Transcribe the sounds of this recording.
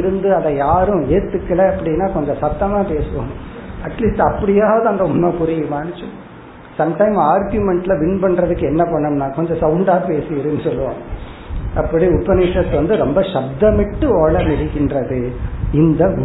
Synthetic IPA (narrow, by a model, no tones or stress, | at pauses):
ɾɯnd̪ɯɐðɐjaːɾʊ̃eːɾt̪ːɯkːɐɭɐɐpːɐɽɪnːaːkɔɲd͡ʒɔ̃sɐt̪ːɐmaːpeːsɯʋo̰ːm̃ɐʈliːsʈɐpːɐɽɪjaːʋðɐɐnd̪ɐʊnːɐpʊɾɪjɐmaːɳɯt͡ʃːɯ̃ | sɐmʈɐɪmaːɾɡjʊmɛɳʈlɐʋɪnpɐɳːɾɐðɯkːɯɛnːɐpɐɳːɐmnaːkɔɲd͡ʒɔ̃sɐʊɳɖaːpeːsɪjɪɾɯnːɯsɔlːɯʋõ̰ː | ɐpːɐɽiʊpːɐnɪsɐt̪ːʋɐnd̪ɯɾɔmbɐʂɐb̚d̪ɐmɪʈːɯɔːɭɐnɪɽɪkːɪndrɾɐðɯɪnd̪ɐ